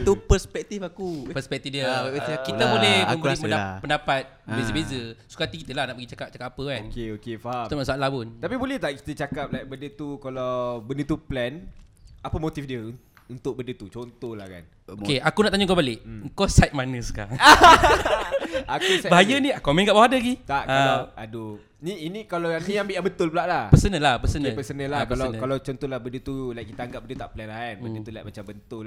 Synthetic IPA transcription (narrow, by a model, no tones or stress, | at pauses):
t̪upəspɛk̚t̪ifakupəspɛk̚t̪ifdiəkit̪abolɛhmə̃mbəlipəapəndapat̪̚bezəbezəsu̥kat̪ikit̪əlahnaʔpəɡit͡ʃakap̚t͡ʃakapːapəkankeokefaast̪amaʔsuaʔlabʊnt̪apibolɛht̪aʔki̥t̪ət͡ʃakap̚lajk̚bəndət̪ukalawbəndət̪uplɛnapəmot̪ifdiə | unt̪ʊk̚bəndət̪ut͡ʃont̪ola̰hka̰n | okeakunaʔt̪aɲaŋkobalɪʔŋ̩kɔsajt̪̚manəsə̥ka̰ɾaŋ | akkubaɦajəniakumɛ̃ŋɡaʔbawaadaɡit̪aʔkalaado | niinikalajãnt̪ijãambiʔabət̪ʊlpəlaʔlahpəsənəlahpəsənpəsənəlakəalankalawt͡ʃɔnt̪ɔlabəndət̪ulajkːit̪aːŋɡap̚bəndət̪t̪aʔplɛnlaɛnədət̪ula̰jʔ̚mat͡ʃambənt̪ʊl